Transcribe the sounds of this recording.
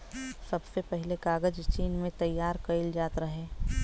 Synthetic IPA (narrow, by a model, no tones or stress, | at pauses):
sɐbsepɛɦlekaːɡəd͡ʒt͡ʃiːnmẽt̪ɐjːaːɾkɐɪld͡ʒaːt̪ɾɐɦẽː